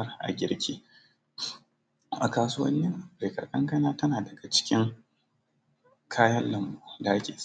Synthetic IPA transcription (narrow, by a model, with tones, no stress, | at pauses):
rʔa̰˨ɡʲɪ̰˦ɾkʲiː˦ | ʔa˨kaː˨su˦wɐ̰˦nːɪ˦ŋʔa˨e˨kɐ̰˨kʼɐ˦ŋkɐ˦naː˦tɐ˦naː˨dɐ˨ɡa˨t͡ʃɪ̥˦kʲɪ˦ŋ | kʰaː˦jɐ˦nlɐ˨mbuː˦da˨ʔa˦kʲeː˨s